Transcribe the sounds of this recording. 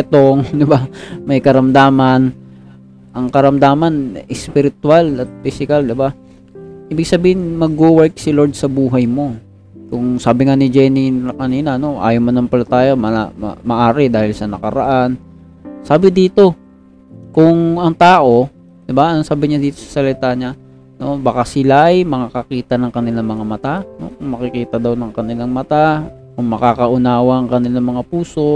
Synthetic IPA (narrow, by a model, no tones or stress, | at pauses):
t̪oŋd̪ɪbamɐjkɐɾɐmd̪aːmɐn | ʔɐŋkɐɾɐmd̪aːmɐnɪspɪɾɪt̪ʊwalɐt̪̚fɪsɪkald̪ɪba | ʔiːbɪɡ̚sɐbiːhɪnmɐɡ̚ːowɛɹk̚sɪloɹd̪̚sɐbuːɦɐjmo̞ | kʊŋsaːbɪŋanɪd͡ʒɛniɐkɐniːnɐɐno̞ʔa̰ːjomanɐŋpɐlɐt̪aːjamɐmɐ̰mɐʔaːɾɪd̪aːhɪlsɐnɐkɐ̰ɾɐ̰ʔan | saːbɪd̪iːt̪o̞ | kʊŋɐŋt̪aːʔo̞ | d̪ɪbaʔɐnoŋsaːbɪɲad̪iːt̪o̞sɐ̥sɐlɪt̪aːɲa | no̞bɐkasɪlaʔɐjmɐŋakɐkiːt̪ɐnɐŋkɐnɪlaŋmɐŋamɐt̪ano̞̰kʊŋmɐkɪkiːt̪ɐd̪ɐwnɐŋkɐnɪlaŋmɐt̪a | kʊŋmɐkaːkɐʔʊnaːwɐʔɐŋkɐnɪlaŋmɐŋapuːso̞